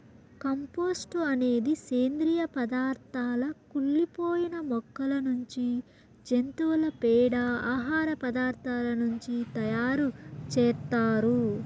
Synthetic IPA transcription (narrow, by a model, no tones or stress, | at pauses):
kɐmpoːsʈuɐne̞ːd̪iseːnd̪ɾijɐpɐd̪aːɾt̪ʰaːlɐkuɭːipoːjinɐmɔkːɐlɐnuɲt͡ʃi | d͡ʒe̞nt̪uʋɐlɐpɛːɽɐaːɦaːɾɐpɐd̪aːɾt̪ʰaːlɐnuɲt͡ʃit̪ɐjaːɾut͡ʃɛːt̪ːaːɾu